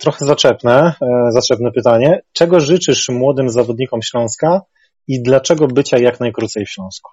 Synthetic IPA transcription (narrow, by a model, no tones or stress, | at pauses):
t̪ɾɔxɛzat͡ʂɛpnɛzat͡ʂɛpnɛpɘt̪aɲɛt͡ʂɛɡɔʐɘt͡ʂɘʂmwɔd̪ɘmzavɔd̪ɲikɔmɕlɔ̃w̃ska | id̪lat͡ʂɛɡɔbɘt͡ɕajaknajkɾut̪sɛjfɕlɔ̃w̃sku̥